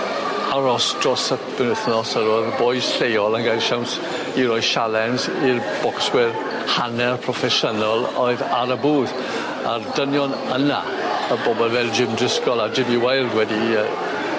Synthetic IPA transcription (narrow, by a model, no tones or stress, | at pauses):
aɾɔstrɔsəb̥ɛnɪθnɔsəɾɔːðbɔjsɬejɔlˠənɡajʃawnt | iɾɔjʃalˠɛnsirb̥ɔkswɪr | hanɛrpʰrɔfɛʃɔnɔlˠɔɨðaɾəbuːð | a̰rd̥ənjɔn | əna̰ | əbɔbɔlˠvɛlˠd͡ʒɪmdrɪskɔlˠad͡ʒɪmɪwajlˠdwɛdiə